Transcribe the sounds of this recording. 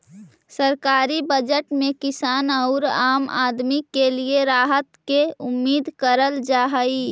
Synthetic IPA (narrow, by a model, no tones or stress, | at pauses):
səɾkaːɾibəd͡ʒəʈmẽkɪsaːnəʊɾaːma̰ːd̪mikelieɾaːɦət̪keʊmːiːd̪kəɾəld͡ʒaɦəi